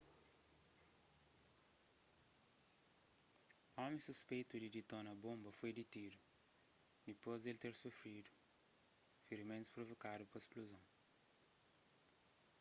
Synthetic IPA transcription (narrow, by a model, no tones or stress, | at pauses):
ɔ̃mẽsuspejt̪ud̪id̪it̪õnɐbõmbɐfojd̪it̪iɾu | d̪ipozd̪elt̪eɾsufɾid̪u | fiɾmẽnt̪u̥spɾovokad̪upɐesplozɐ̃w̃